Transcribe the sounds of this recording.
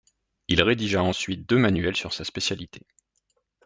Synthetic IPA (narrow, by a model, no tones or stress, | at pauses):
ilʁed̪iʒaɑ̃sɥit̪̚d̪ømanɥɛlsyʁsaspesjalit̪ʰe̥